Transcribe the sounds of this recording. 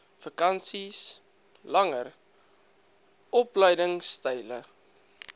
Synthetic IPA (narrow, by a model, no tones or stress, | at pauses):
fəkɐnsis | lɐŋər | ɔpləjdəŋstəjlə̰